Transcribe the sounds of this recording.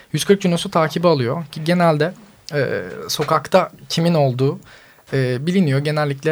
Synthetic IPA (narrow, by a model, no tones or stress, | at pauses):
jyzkʰɯɾk̚d͡ʒunosut̪ʰaːcʰibalˠɯjoiɟe̞nælʲd̪ɛ | ɛ̰ːso̞kakt̪ʰacʰimino̞lˠd̪uː | ɛːbilʲinijoɟe̞nɛlʲːiclʲɛ